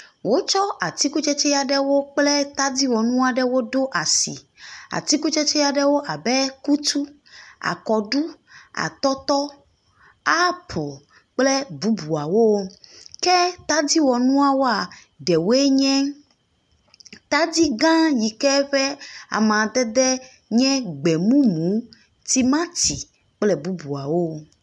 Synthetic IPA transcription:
wo˦t͡ʃɔ˦a˨t̪i˦ku˦t͡ʃɛ˦t͡ʃɛ˦ja˨ɖɛ˦wo˦k͡plɛ˦t̪a˦d̪i˦wɔ˨nũ˦a˨ɖɛ˦wo˦ɖo˦ʔa˨sḭ˨ | a̰˨t̪i˦ku˦t͡ʃɛ˦t͡ʃɛ˦ja˨ɖɛ˦wo˦ʔa˨bɛ˦ku˦t̪u˦ | a̰˨kɔ˨ɖu˦a̰˨t̪ɔ˦t̪ɔ˦ | a˦pʰo˨ | k͡plɛ˦bu˨bu˨a˨wo˦kɛ˦t̪a˦di˦wɔ˨nũ˦a˨wo˦a˨ | ɖɛ˨wo˦e˦ɲɛ̃˦ | t̪a˦d̪i˦ɡã˦ji˨kɛ˦ɸɛ˦a̰˨mã˨d̪ɛ˦d̪ɛ˦ | ɲɛ̃˦ɡ͡bɛ˨mũ˦mũ˨˦ | t̪i˦mã˦t̪i˨ | k͡plɛ˦bu˦bu˨a˨wo˦

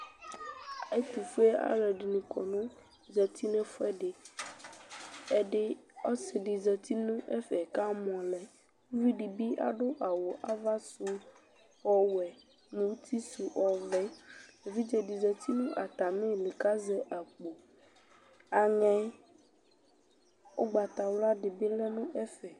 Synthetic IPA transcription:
a˨e˦t̪u˨fu˦ɛ˦a̰˦lɛ˨ɖi˨nũ˨kʰɔ̰˨nũ˦ | zɛ˨t̪i˦nɛ̃˦fɛ˦ɖe˨ | ɛ˦ɖe˦ɔ˦se˨ɖi˨zɛ˨t̪i˦nũ˦ʔɛ˦fɛ˨ka˦mɔ̃˨lɛ˨ | wu˦vi˦ɖi˨bi˦a̰˨ɖo˦ʔa˨wo˨ʔa˦va˦su˦ | ɔ˦wɛ˨ | nũ˨˦t̪ʰi˦su˨ʔɔ˨vɛ˦e˨vi˦d͡ʒɛ˨ɖi˨zɛ˨t̪i˦nũ˦ʔa˨t̪a˨mẽ˦le˨ka˦zɛ˦ʔa˨k͡po˨ | a˨ŋɛ̃˦ | o˦ɡ͡ba˨t̪a˨wla˦ɖe˨be˦lɛ˦nũ˦ʔɛ˦fɛ˨

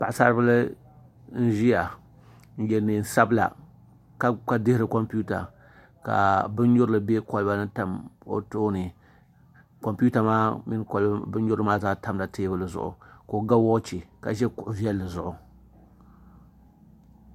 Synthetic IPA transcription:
pa˨ʔsa˦ɾɨ˦bɨ˦lɨ˦ | n̩˦ʒi˦ja˨ | n̩˦jɛ˨nɨ˨n̩˨sa˦bla̰˨ | ka˦ka˦dɪ˦hɾɨ˨ko˦mpu˦ta̰˨ | ka̰˨bɨ˦n˦ɲʊ˦ɾɨ˦lɨ˨be˦kɔ˨lba˦nɨ˦ta˨mo̰˦toː˦nɨ˨ | ko˨mpu˦ta˨maː˦mɪ˦nklbɨ˦n˦ɲʊ˦ɾɨ˦maː˦zaː˦ta˦mla˨teː˦bɨ˦lɨ˨zʊ̰˨ʔʊ̰˨ko˨ɡa˦wo˦t͡ʃi˨ka̰˨ʒɛ˦kʊ˨ʔʊ˨vi˦ɛ˦lːɨ˨zʊ˨ʔʊ˨

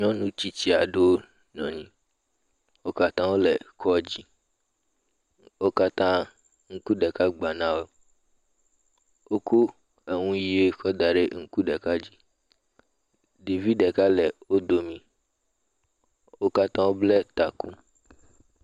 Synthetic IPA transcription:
ɲɔ̃˦nũ˦t͡ɕi˦t͡ɕi˦a˨ɖo˦ | ɲɔ̰̃˨ɲĩ˦ | wo˦ka˦t̪ã˦wo˦lɛ˨kʰɔ˦d͡ʑi˦ | wo˦ka˦t̪ã˦ | ŋ̩˦ku˦ɖɛ˨ka˦ɡ͡ba˨nã˦wo˦ | wo˦kʰu˦ | e˨ŋũ˦ji˦e˦kʰɔ˦d̪a˨ɖe˦ŋ̩˦ku˦ɖɛ˨ka˦d͡ʑi˦ | de˨vi˦ɖɛ˨ka˦lɛ˨wo˦d̪o˨mĩ˦ | wo˦ka˦t̪ã˦wo˦blɛ˦t̪a˨ku˦

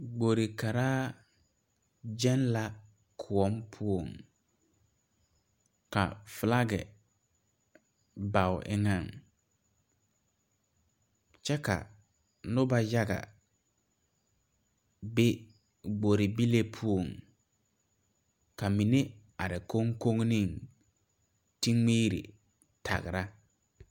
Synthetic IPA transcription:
ɡ͡bo˨ɾi˨ka˨ɾaː˦ | d͡ʒɛ˦nla˦ | kʰʊ˨ɔ˦mpʰu˦o˨ŋ | ka̰˨fla˦ɡɛ̰˨ | ba˨wʔɪ̰˦ŋã˨ŋ | t͡ʃɛ˦ka̰˨ | nʊ˦ba˦ja˦ɡa̰˨ | be˦ | ɡ͡bo˨ɾɪ˨bi˦le˦pʰu˦o˨ŋ | ka˨mi˨ne˦ | a˨ɾɪ˨ko˦ŋko˦ŋnĩ˦˨ŋ | ti˦ŋŋ͡miː˦ɾḭ˨ | tʰa̰˨ɣɪ˨ɾa˦

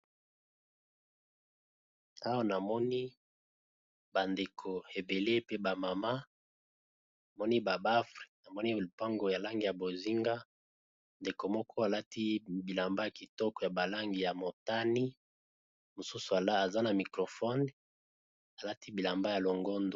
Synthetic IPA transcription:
a˦wa˦na˨mɔ˦ni˦ | ba˨nde˨kʰo˨e˨be˨le˦pe˦ba˨ma˨ma˦ | a˨mɔ˦ni˦ba˨ba˦fʁi̥˨na˨mɔ˦ni˦˨pa˦ŋɡo˨ja˨la˦ŋɡi˨ja˨bo˨zi˦ŋɡa˦ | nde˨ko˨mɔ˦kɔ˦a˨la˦ti˦bi˨la˨mba˦ja˨ki˨tɔ˦kɔ˨ja˨ba˨la˦ŋɡi˨ja˨mo˨ta˦ni˦ | mo˨su˦su˨a˨la˦a˨za˦na˨mi˨kʁo˨fɔ˦n | a˨la˦ti˦bi˨la˨mba˦ja˨lo˨ŋɡo˦ndo˨

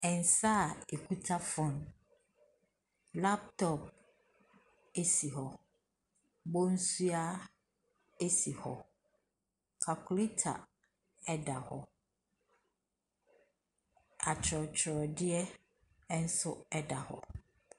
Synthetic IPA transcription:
ɛ̃˨n̩˨sa˦˨e˨kʰu˦tʰa˦fʊ̃˦n | la˦p̚tʰɔ˦p̚ | e˦si˨hɔ˨ | bo˦n̩˦su˦a˦ | e˦si˨hɔ˨ | kʰa˨kʰʊ˨li˦tʰa̰˨ | ɛ˦da˨hɔ˨ | a˨t͡ɕʰɔ˨t͡ɕʰɾɔ˨dɪ˦ɛ˦ | n̩˦sʊ˦ɛ˦da˨hɔ̰˨

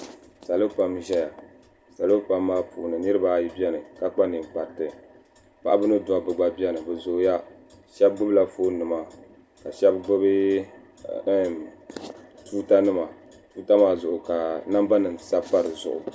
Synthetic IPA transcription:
sa˨lo˦pa˨mʒɛ˦ja˨ | sa˨lo˦pa˨mːaː˦puː˨nɨ˨nɨ˦ɾɨ˦ba˨˦˨ji˦bi˦ɛ˦nɨ˨ka˦k͡pa˦nɨ˨ɡ͡ba˨ɾtɨ˨ | pa̰˦ʔa˦bɨ˦nɨ˦dʊ˨a˨bɨ˨ɡ͡ba˨bi˦ɛ˦nɨ˨bɛ˨zo˨˦ja˦ | ʃɛ˦b̚ɡ͡bʊ˦bɨ˦la˨foː˦nɨ˨ma˦ | ka˨ʃɛ˦bɡ͡bʊ˦bɨ˦ | tuː˦ta˦nɨ˦ma˨ | tuː˦ta˦maː˦zʊ˨ʔʊ˨ka˨na˦mba˦nɨ˨nsa˦pa˦ɾɨ˨zʊ̰˨ʔʊ̰˨

